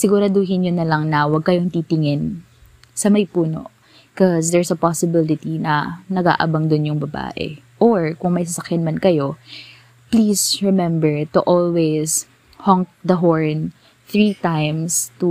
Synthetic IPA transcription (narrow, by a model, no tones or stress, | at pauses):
sɪɡuɾad̪oɦɪnɲonɐlɐŋnɐwɐɡ̚kɐjoŋt̪it̪ɪŋɛn | sɐmɐjpuːno̰ | kɔsd̪ɛɹsɐpasɪbɪlɪt̪inɐnɐɡa̰ːʔɐbɐŋd̪ʊnjʊŋbɐba̰ːʔɛ̰ | ʔoɹkʊŋmɐjsɐsɐkjanmɐnkɐjo̞ | pliːsɹɛmɛmbɛɹt̪uʔolwes | hɔŋk̚d̪ɐɦoɹn | θɹit̪ajmst̪u